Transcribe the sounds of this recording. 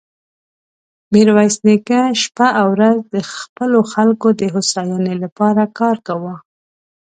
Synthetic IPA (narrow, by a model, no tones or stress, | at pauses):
miɾwɑjsnekaʃpaʔawɾazd̪əxpəloxalkod̪əɦʊsɑjɑnelapɑɾakɑɾkawə